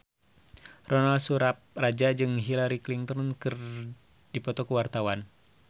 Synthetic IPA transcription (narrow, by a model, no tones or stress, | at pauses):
rɔnalsuɾap̚rad͡ʒad͡ʒɨŋɦilaɾikliŋt̪ɔnkɨr | dipɔt̪ɔkuwart̪awan